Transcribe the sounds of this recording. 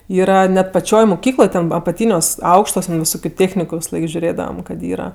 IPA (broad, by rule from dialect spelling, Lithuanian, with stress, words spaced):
ˈiːrɐ ˈnʲɛt pɐˈt͡ʃʲoːj moːˈkʲiːklˠoːj ˈtʲɛn ɐpɐˈtʲiːnʲuɔs ˈɐʊkʃtuɔs tʲɛn ʋʲɪˈsoːkʲʊ ˈtʲeːxʲnʲɪkʊ ʋʲɪsɐˈlˠɐɪk ʒʲʊˈrʲeːdɐʋɐm kɐt ˈiːrɐ